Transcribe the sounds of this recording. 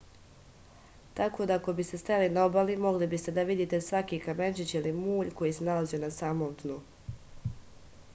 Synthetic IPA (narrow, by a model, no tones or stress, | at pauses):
t̪ako̞d̪ako̞bist̪e̞st̪alinaobalimo̞ɡlibist̪e̞d̪aʋid̪iːt̪e̞sʋakikame̞t͡ʃit͡ɕilimuːʎko̞jise̞nalazionasaːmomd̪nu